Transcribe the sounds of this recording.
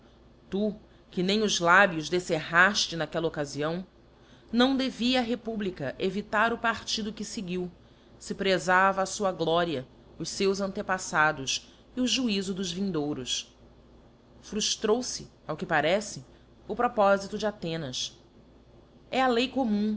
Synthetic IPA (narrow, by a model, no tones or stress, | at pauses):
t̪u | kɪnẽj̃ʊzlabjʊzd̪eseɦaʃt͡ʃɪnakɛlɐokaziɐ̃w̃ | nɐ̃w̃d̪eviɐːɦepublikɐʔevit̪aɾʊpaɾt͡ʃid̪ʊkɪseɡiw | sɪpɾezavɐːsuɐɡlɔɾiɐ | ʊʃsewzɐ̃nt̪epasad̪ʊs | iʊʒuizʊd̪ʊʒvĩnd̪owɾʊs | fɾuʃt̪ɾowsɪ | awkɪpaɾɛsɪ | ʊpɾɔpɔzit̪ʊd͡ʒɪat̪ẽnɐs | ɛɐlejkomũ